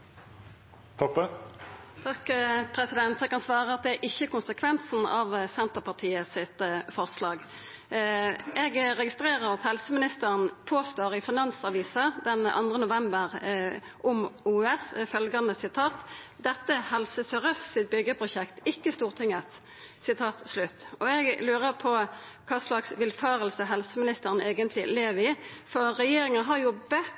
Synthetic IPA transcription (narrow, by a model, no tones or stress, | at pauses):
t̪ʰɔpːə | t̪ʰɑkːpʰʁɛsɪd̪ɛnt̪ɛɡ̚kʰːɑnsʋɑːʁəɑt̪̚d̪ɛæɾʔɪçːəkʊnsəkʰʋɛnsn̩ɑʋsɛnt̪əpɑʁt̪ʰiːəsɪt̪fɔʁslɑːɡ | ʔɛɡʁɛɡɪst̪ʁeːʁəʁɑt̪hɛlsəmɪnɪst̪əɾənpʰoːst̪oːʁɪfɪnɑnsɑʋiːsəd̪ɛnʔɑ̰nd̪ʁənʊʋɛmbəʁ | ʔʊmuːɛsfœlɡɑnəsɪt̪ʰɑːt̪d̪ɛt̪ːəhɛlsəsœʁœssɪt̪̚bʏɡːəpʰʁʊʃɛkt̪ɪkːəst̪uːʁt̪ʰɪŋːət̪ | sɪt̪ʰɑːt̪slʉt̪ːɔɛɡlʉːʁəɾpʰɔ | kʰɑːslɑksʋɪlfɑːʁəlsəɦɛlsəmɪnɪst̪əʁəneːɡənt̪lɪleʋəɪfɔʁɾɛjeːɾɪŋənɦɑɾjʊbə